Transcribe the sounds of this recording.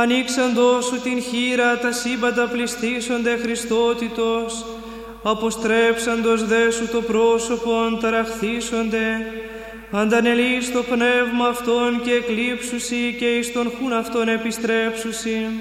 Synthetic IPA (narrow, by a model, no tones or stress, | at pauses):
ɐniksɐnd̪o̞sut̪inçiɾɐt̪ɐsimbɐnd̪ɐplist̪iso̞nd̪e̞xɾist̪o̞t̪it̪o̞s | ɐpo̞st̪ɾe̞psɐnd̪o̞zðe̞sut̪o̞pɾo̞so̞po̞nt̪ɐɾɐxθiso̞nd̪e̞ | ɐnd̪ɐne̞list̪o̞pne̞vmɐːft̪o̞nce̞ːklipsusice̞ist̪o̞nxunɐft̪o̞ne̞pist̪ɾe̞psusi